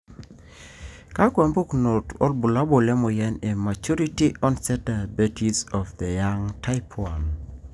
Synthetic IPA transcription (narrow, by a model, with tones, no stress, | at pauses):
ka˦kwa˨mbu˦kno˨tɔ˦lbu˨la˦bo˨lɛ˦mo˨jɛ˦ne˨ma˨t͡ʃu˦ɾi˦ti˦ʔɔ˦nsɛ˦ta˨be˦ti˦sɔ˨fd̪e˨ja˦ŋtʰa˦ɪpʰwa˨n